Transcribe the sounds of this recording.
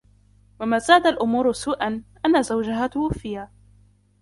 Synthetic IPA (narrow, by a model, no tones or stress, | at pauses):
wamaːzaːd̪alʔʊmuːɾʊsuːʔanʔanːazawd͡ʒaɦat̪ʊfɪjaː